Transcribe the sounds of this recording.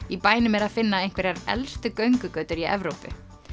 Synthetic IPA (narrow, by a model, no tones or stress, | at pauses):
ipaːjnɪmɛɾaðfɪnːaejn̥kvɛɾaɾɛ̰lst̪ʏkœɥŋkʏkœːɥt̪ʏɾiɛ̰vɾowpʏ̰